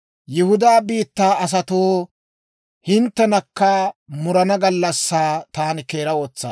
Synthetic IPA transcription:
jɪhʊd̪aːbiːt̪ːaːɐs̬ɐt̪oː | hɪnt̪ːɛnɐkːɐmʊɾɐnɐɡɐlːɐsːaːt̪aːnɪkeːɾɐwoːt͡sːa̰ː

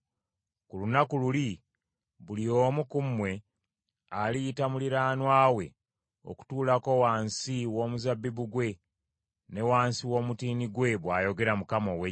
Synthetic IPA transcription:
kulunakululi | βulio̞mukumːwe̞ | alijitamuliɾaːnwaːwe̞ | o̰ku̥tuːlako̞waːnsiwo̞ːmuzabːiβuɡwe̞ | ne̞waːnsiwo̞mutiːniɡwe̞βwaːjo̞ɡe̞ɾamukamowe

